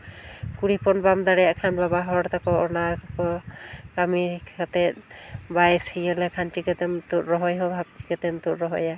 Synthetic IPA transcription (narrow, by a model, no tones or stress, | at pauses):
kuɽipɔnbamd̪aɽɛjaʔkʰanbabaɦɔɽt̪akɔɔnaɾkakɔkamiɾkʰat̪ɛt̪̚bajshijɛlɛkʰantikat̪ɛmt̪uʔɾɔɦɔjɦɔbʱab̚tikɛt̪ɛmt̪utɾɔɦɔja